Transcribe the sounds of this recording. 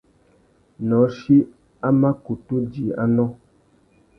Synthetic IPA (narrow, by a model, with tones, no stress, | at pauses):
nɔ˨˦ʃi˦ | a˦ma˦ku˨tu˦d͡ʒi˨a̰˦nɔ̃˦